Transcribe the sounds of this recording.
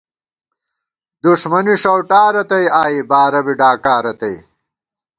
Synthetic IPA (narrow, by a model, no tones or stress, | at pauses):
d̪uʂmɐniʂɐwʈaːɾɐt̪ɐjaːibaːɾɐbiɖaːkaːɾɐt̪ɐj